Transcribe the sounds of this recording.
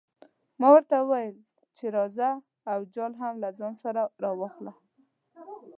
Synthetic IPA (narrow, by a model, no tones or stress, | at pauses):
mɑwəɾt̪auwajəl | t͡ʃeɾɑzaː | wd͡ʒɑlɦamlad͡zɑnsaɾaɾɑwaxla